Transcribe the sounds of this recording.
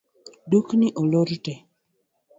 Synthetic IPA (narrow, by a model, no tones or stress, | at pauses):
duknɪʔoloɾitɛ